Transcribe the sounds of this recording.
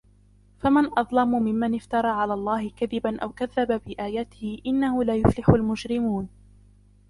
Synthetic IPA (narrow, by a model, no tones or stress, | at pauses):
famanʔɑðˤlɑmʊmɪmːanɪft̪ɑɾˤɑːʕalaːlˤːɑːhɪkaðɪbanʔawkaðːababɪʔaːjaːt̪ɪhɪʔɪnːahʊlaːjʊflɪħʊlmʊd͡ʒɾɪmuːn